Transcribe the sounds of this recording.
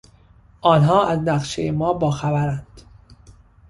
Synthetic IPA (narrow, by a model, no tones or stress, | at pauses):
ʔɒːnɦɒːʔæznæɣʃejemɒːbɒːxæbæɾænd̪̥